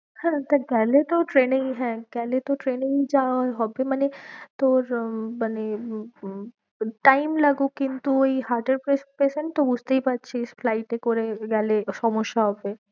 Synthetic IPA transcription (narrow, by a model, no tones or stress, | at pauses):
hɛ̃t̪okɛɦlet̪oʈɾeːnẽŋɦɛ̃kɛːlet̪oʈɾeːnẽŋd͡ʒaɦobemɛnet̪oːɾmane | ʈaːɪmlɐɡokɪnt̪uoiɦaːɾʈeɾpɾespesẽɳʈt̪obud͡ʒʱt̪eipɐt̪ːʃʰesflaɪʈekoɾeɡɛːleʃɔmoʃːaɦɔbe